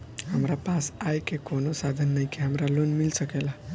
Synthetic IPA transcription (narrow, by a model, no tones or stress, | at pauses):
ɦəmɾapasajkekonosad̪ʱənːəjkeɦamɾalonmilsəkela